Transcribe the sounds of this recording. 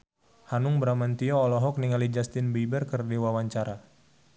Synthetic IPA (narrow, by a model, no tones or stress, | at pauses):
hanʊŋbəɾamant̪iɔːlɔɦɔk̚niŋalid͡ʒast̪ɪnbiibərkərdiwawaɲt͡ʃaɾa